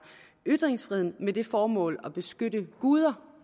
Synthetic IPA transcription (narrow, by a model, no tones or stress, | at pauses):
yd̥ʁeŋsfʁiðˠn̩med̥e̝fɒːmɔ̰̽ːlɒb̥e̝sɡ̥ød̥əɡ̥uːð̞ˠɐ